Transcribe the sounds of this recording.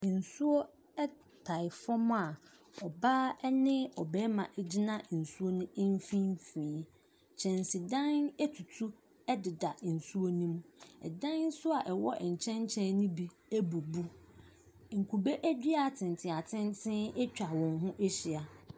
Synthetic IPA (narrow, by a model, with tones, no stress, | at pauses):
n̩˨su˦o˦ | ɛ˦ | tʰa˨ɪ˨fɔ˦m̃˦a˨ | ɔ˨baː˦ɛ˦nɪ̃˦ɔ˨bɛː˦mã˨ʔɛ˨d͡ʑi˦nã˦˨n̩˨su˦o˦nʊ̃˦ɪ˦m˦fĩ˦m˦fĩː˨˦ | t͡ɕʰɛ̃˨n˨si˨dã˦nɛ˦tʰu˨tʰu˦ | ɛ˦dɪ˨da˨n̩˨su˦o˦nũ˦m˦ɛ̰˨dã˦n˦sʊ˦a˨ʔɛ˨wɔ̰˦ʔɲ̩˨t͡ɕʰɛ̃˦ɲ˦t͡ɕʰɛ̃˦nʊ̃˦bi˦ | æ˦bu˨bu˦ | ŋ̩˨kʰu˨be˦ʔæ˦di˦a˨tʰɪ̃˨n˨tʰɪ̃˨a˨tʰɪ̃˦ntʰɪ̃˦ɛ˦t͡ɕᶣa˨wɔ̃˨nɦʊ̃˦ʔɛ˦ɕɪ˨a˨